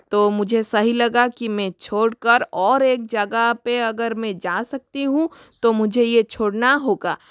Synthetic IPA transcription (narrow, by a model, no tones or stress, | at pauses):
t̪oːmʊd͡ʒʱesɐɦilɐɡakimɛ̃t͡ʃʰoːɽkəɾɔːɾeːk̚d͡ʒɐɡəɦpeɐɡəɾmɛ̃d͡ʒaːsɐk̚t̪iɦũt̪omʊd͡ʒʱejet͡ʃʰoːɽnaɦoːɡa̰ː